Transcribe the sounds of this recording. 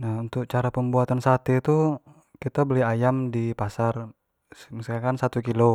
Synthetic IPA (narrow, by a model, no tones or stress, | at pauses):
nahunt̪ʊk̚t͡ʃaɾapəmbuat̪ansat̪it̪u | kit̪abəliajamdipasar | miskakansat̪ukilo